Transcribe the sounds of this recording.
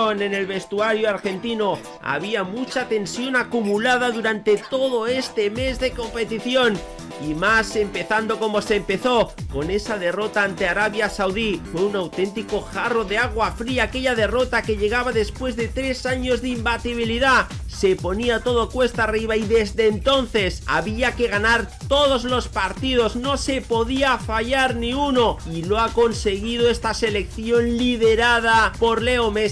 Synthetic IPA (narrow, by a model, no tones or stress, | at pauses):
one̞ne̞lβe̞st̪uaɾjoaɾxe̞nt̪ino̞ | a̰β̞iamut͡ʃat̪e̞nsjo̞nakumulaðaðuɾant̪e̞t̪o̞ð̞o̞e̞st̪e̞me̞zðe̞ko̞mpe̞t̪iθjo̞n | imase̞mpe̞θand̪o̞ko̞mo̞sempe̞θo̞ko̞ne̞saðe̞ro̞t̪aant̪eaɾaβjasawðifwe̞unawt̪e̞nt̪iko̞xaro̞ðe̞aɣwafɾiaːke̞ʎaðe̞ro̞t̪ake̞ʎe̞ɣ̞aβaðe̞spwe̞zðe̞t̪ɾe̞saɲo̞zðimbat̪iβ̞iliðase̞po̞niat̪o̞ðo̞kwe̞st̪ariβaiðe̞zðe̞ːnt̪o̞nθe̞sa̰βiake̞ɣ̞anaɾt̪o̞ðo̞zlo̞spaɾt̪ið̞o̞zno̞sepo̞ðiafaʝaɾnĩuno̞iloako̞nse̞ɣið̞oe̞st̪ase̞le̞kθjo̞nliðe̞ɾað̞apo̞ɾle̞ome